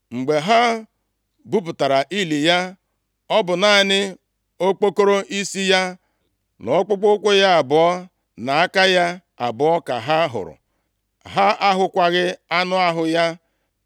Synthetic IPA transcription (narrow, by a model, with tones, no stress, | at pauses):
ŋ͡m̩˨ɡ͡be˨ɦa˦ | bu˦p̬ʊ˨ta˨ɾa˨ʔi˦li˨ja˦ | ɔ˦bʊ˨na˨˦nɪ˦ | o˦k͡po˦ko˦ɾo˦ʔi˦si˦ja˦ | nɔ˨˦k͡pʊ˦k͡pʊ˦kʷʊ˦ja˦a˨bʊ˨ɔ˦ | na˨a˦ka˦ja˦ | a̰˨bʊ˨ɔ˦ka̰˨ɦa˦ɦʊ̰˨ɾʊ̰˨ | ɦa˦a˦ɦʊ˦kʷa˦ɣɪ˦a˦nʊ˦a˦ɦʊ˨ja˦